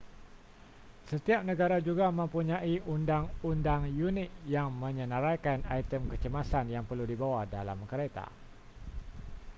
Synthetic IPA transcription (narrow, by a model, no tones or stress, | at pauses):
sət̪iap̚nə̃ɡaɾad͡ʒuɡamə̃mpuɲaiundaŋundaŋjunɪt̪̚jaŋmə̃ɲənəɾakanait̪əmkət͡ʃəmasanjaŋpərludibawahdala̰mkəɾet̪a̰